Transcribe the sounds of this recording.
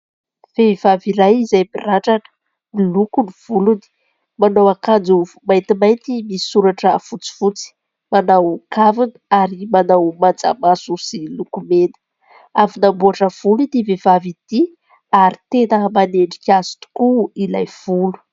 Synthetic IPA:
v̥evaviɾajizajmiraɳʈ͡ʂanə̥ | ilukuniv̥uluni̥ | manawakand͡zuvumajnt̪imajnt̪imiisuɾaʈ͡ʂəfut͡si̥fut͡si̥ | manawkavinəaɾimanawmand͡za̰masusilukumenə̥ | avinambuaʈ͡ʂəv̥ulud̪ivevavid̪̥i | aɾit̪enəmaneɳɖ͡ʐikʲazu̥t̪u̥kuilajv̥ulu̥

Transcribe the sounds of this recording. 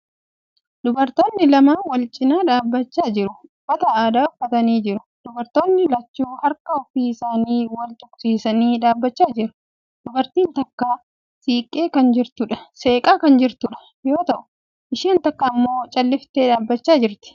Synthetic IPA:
d̪ʊbɐɾt̪o̞ːnːɪlɐmaːwɐlt͡ʃʼɪnaːᶑaːbːɐt͡ʃːaːd͡ʒɪɾʊb̥ːɐt̪ɐaːd̪aːʊfːɐt̪ɐniːd͡ʒɪɾʊ | d̪̥ʊbɐɾt̪o̞ːnːɪlɐt͡ʃːuːhɐɾkɐɔfiːɪsaːniːwɐlt̪ʼʊksiːsɐniːᶑaːbːɐt͡ʃːaːd͡ʒɪɾʊ̥ | d̪̥ʊbɐɾt̪iːnt̪ɐkːaː | siːkʼːeːkɐnd͡ʒɪɾt̪ʊᶑɐ̥se̞ːkʼaːkɐnd͡ʒɪɾt̪ʊᶑɐ̥ | jo̞ːt̪ɐʔʊ̥ | ʔɪʃiːnt̪ɐkːamːo̞ːt͡ʃʼɐlːɪft̪eːᶑaːbːɐt͡ʃːaːd͡ʒɪɾt̪ɪ̥

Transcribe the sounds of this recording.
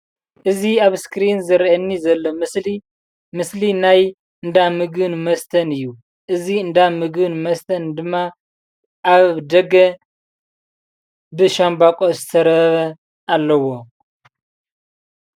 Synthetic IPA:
ʔɨziaβskɾinzɨɾʔɐnːizɐlːomsi | mɨslinaj | ɨnd̪amɨɡɨnmɐst̪ʰɐnɨjːu | ʔɨziɨnd̪amɨɡɨnmɐst̪ʰɐnd̪ɨmːa | ʔaβd̪ɐɡɐ | bɨʃambakʼozɨt̪ʰɐɾɐβɐ | ʔalːɐwo̞

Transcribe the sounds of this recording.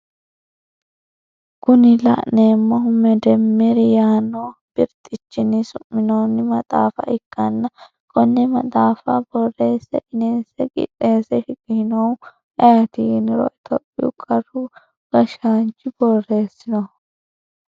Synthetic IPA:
kʊnɪlɐ̰ʔneːmːɔɦʊmɛd̪ɛmːɛɾɪjaːnob̥ɪɾt̪ʼːɪt͡ʃːɪnɪsʊmːɪnownːɪmɐt̪ʼa̰ːfɐ̰ʔɪkːɐnːɐ | kʼɔnːɛmɐt̪ʼaːfɐbɔre̞ːsɛʔɪneːsɛɡʼɪ̰tʼːe̞ːsɛʃɪkʼɪhɪnɐw | ʔɛjɐt̪inɪɾɔ̰ʔɛt̪ʰɔpʼːɪʊkʼɐrʊ | ɡ̥ɐʃaːnt͡ʃːɪbɔrːe̞ːsɪnɔ

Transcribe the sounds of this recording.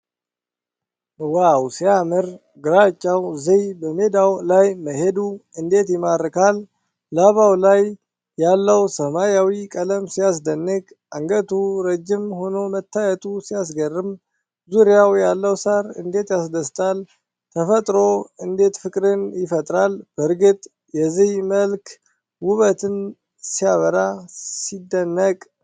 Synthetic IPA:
wawsijamɨɾ | ɡɨɾat͡ʃʼːawzijbəme̞d̪awlajməɦe̞d̪uɨnd̪e̞t̪jɪmaɾɨkʰalː | aβawlajː | alːəwsəmajawikʼələmsijas̬d̪ənːɨɡ | ʔaŋɡət̪ʰuɾəd͡ʒːɪmho̞no̞mət̪ʰːajɛt̪ʼusijas̬ɡərːɨm | zuɾjawjalːəwsaɾɨ̰nd̪e̞t̪jasd̪əst̪ʼal | t̪ʰəfət̪ʼɾo̞ɨnd̪e̞t̪fɨkʼɾɨnjɪfət̪ʼɾalb̥əɾɡɨt̪ʼ | jɛzihməlk | wʊβət̪ʰɨn | sijaβəɾasid̪ːənːəkʼ

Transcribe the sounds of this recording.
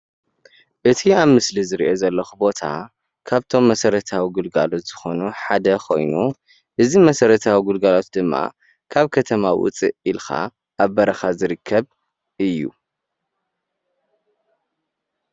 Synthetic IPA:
ʔɨt̪ʰiaβmɨslizɨɾʔo̞zɐlːɐxubo̞t̪ʰa̰ | kʰaβt̪ʰo̞mːɐsɐɾɐt̪ʰawiɡɨlɡa̰lot̪z̥ɨxo̞nuħad̪ɐkʰo̞̰jnu | ʔɨzimɐsɐɾɐt̪ʰawiɡulɡalot̪d̪ɨmːa̰ | kʰaβkʰɐt̪ʰɐmawʊ̰t͡sʼiʔilxa̰ | ʔaβːɐɾɐxazɨɾɨkʰːɐβ | ʔɨjːṵ

